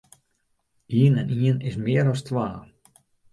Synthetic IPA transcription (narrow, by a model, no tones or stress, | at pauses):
iːnɛniənɪsmɪəɾɔstʋaː